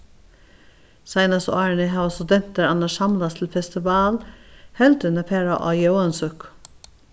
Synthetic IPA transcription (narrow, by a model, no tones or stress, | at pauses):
sɑɪnɑsɑːɳɪɦɑːʋɑst̪ʉd̪ɛn̥t̪əɾɑnəʃɑmlɑst̪ʰlfɛst̪ɪʋɑːlhɛld̪ənəpʰeːɹaʔɑ̰ːjœʊɑnsʉk